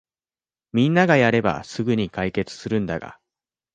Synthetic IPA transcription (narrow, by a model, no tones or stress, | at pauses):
mʲĩnːaɡajaɾe̞ba̰sɨɡɯ̟ɲ̟ikaike̞t͡sɨ̥sɨɾɯ̟̃nd̪aɡa̰